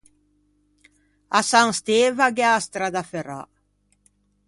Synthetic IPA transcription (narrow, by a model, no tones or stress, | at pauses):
asaŋst̪eːvaɡɛast̪ɾad̪afɛɾa̰